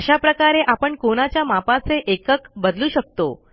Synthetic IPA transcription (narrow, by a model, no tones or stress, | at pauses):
əɕapɾəkaɾeʔapəɳkoɽ̃at͡ɕjamapat͡seʔekəkbəd̪luːɕək̚t̪o̰